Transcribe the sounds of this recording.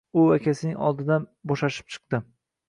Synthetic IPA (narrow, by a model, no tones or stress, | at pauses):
ʊakʲʰasɪnɪŋɒ̰lˠd̪ɪd̪anbɒʃaʃɪ̥p̚t͡ʃʰɨ̥q̚t̪ɪ